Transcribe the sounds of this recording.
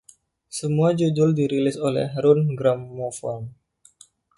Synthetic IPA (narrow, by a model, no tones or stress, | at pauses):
səmuad͡ʒudʊldiɾilɪsolɛ̰hɾʊnɡɾamːofɔm